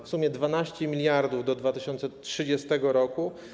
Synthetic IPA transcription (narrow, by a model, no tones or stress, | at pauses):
fsumʲjɛd̪vanaɕt͡ɕɛmʲilʲjaɾd̪uvd̪ɔd̪vat̪ɘɕɔnt̪sɛtʂɘd͡ʑɛst̪ɛɡɔɾɔku